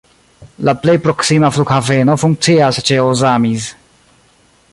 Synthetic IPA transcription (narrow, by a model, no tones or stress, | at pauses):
laplejpɾoksimaflukavenofuŋk̚t̪siaset͡ʃeozamis